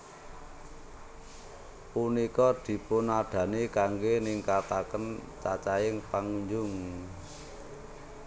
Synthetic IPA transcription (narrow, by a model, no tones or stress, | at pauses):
punikɔd̪̥i̤pʊnaɖ̪̥ä̤nikaŋɡeniŋkat̪akənt͡ʃat͡ʃaɪŋpaŋuɲd͡ʒʊŋ